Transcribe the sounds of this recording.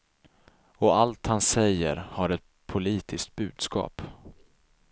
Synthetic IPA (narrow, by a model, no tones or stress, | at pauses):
ɔalt̪hansɛjːə̰ɾhaɾɛt̪̚ | pʰʊliːt̪ʰɪskt̪̚bʉ̟ːd̪skɑ̰ːp